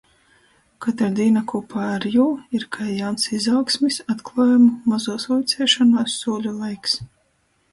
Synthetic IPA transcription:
kat̪ɾad̪iːnakuɔpʰaːaɾjuːiɾkʰajansizɑwksmʲisat̪klˠaːjumumazuɔsujt̪sɛːʃanaːsːuɔlʲulˠajks

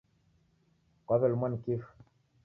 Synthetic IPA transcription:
kaβɛlmankif

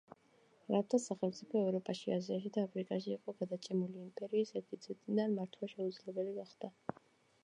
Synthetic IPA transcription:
ɾaft̪ʰasaχɛlmt̪sʼipʰɔɛvɾɔpʼaʃiaziaʃid̪aːpʰɾikʼaʃiːqʼɔɡad̪at͡ʃʼɛmuliːmpʼɛɾiːsɛɾt̪ʰit̪sʰɛt̪ʼid̪anmaɾt̪ʰwaʃɛud̪zlɛbɛliɡaχd̪̥a

